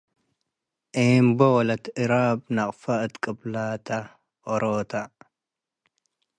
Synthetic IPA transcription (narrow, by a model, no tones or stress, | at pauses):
ʔeːmbɔwɔlɐt̪ɪɾaːbnɐqʼfɐɨt̪kʼɨblaːt̪ʰɐ | ʔɔɾʔoːt̪ʰɐ